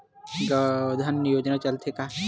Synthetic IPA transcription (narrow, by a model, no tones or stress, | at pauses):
ɡəd̪ʱənːjoːd͡ʒnat͡ʃɐlt̪ʰeka